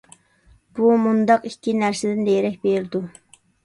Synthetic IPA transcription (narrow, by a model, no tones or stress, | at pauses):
b̥umund̪ɑqikʲʰːinæɾsɪd̪ɪnd̪ejɾɛk̚ʲbeɾd̪u